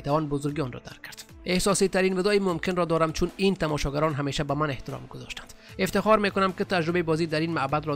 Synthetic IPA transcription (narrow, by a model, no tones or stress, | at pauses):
et̪avɔnbozoɾɡiɔnrɔ̰d̪a̰ɾkʰːæɾd̪ | ehsɔsit̪aɾinvɪd̪ɔimomkenɾɔd̪ɔɾamt͡ʃʰunint̪amɔʃɔɡaɾɔnɦameʃæbæmaneht̪ɪɾɔ̰mɡʊzɔ̰ʃt̪ḁnd̪̥eft̪ɪxɔɾmekʊnæmkɪt̪ad͡ʒɾʊbeibɔzid̪aɾinmabad̪ɾɔ